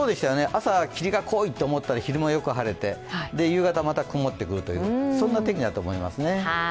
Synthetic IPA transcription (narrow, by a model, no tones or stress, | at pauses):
oːd̪e̞ɕit̪ajoneʔasakʲiɾʲiɡakʰo̞ːit̪ːe̞ːmo̞t̪ːaɾaçiɾɯ̟majo̞kɯ̟ɦaɾe̞t̪e̞ad̪e̞jɯ̟ːɡat̪amat̪akɯmo̞t̪ːe̞kɯ̟ɾɯ̟t̪o̞jɯːsõ̞nːat̪e̞kʲiɲid̪at̪o̞ːmo̞ima̰sɨne̞